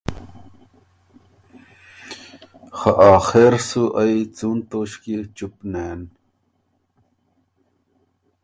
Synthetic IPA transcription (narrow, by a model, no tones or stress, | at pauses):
xɐʔaːxeɾsuʔɐjt͡suːnt̪oɕkit͡ʃupneːn